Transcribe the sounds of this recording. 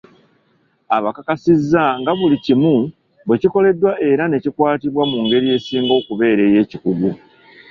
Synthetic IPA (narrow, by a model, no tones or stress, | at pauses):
aβakakasizːaŋɡaβulicimu | βwe̞ciko̞le̞dːwaʔe̞ɾane̞cikwaːtiβwamuŋɡe̞ɾie̞ːsiːŋɡo̞ːkuβe̞ːɾe̞ːje̞ːcikuɡu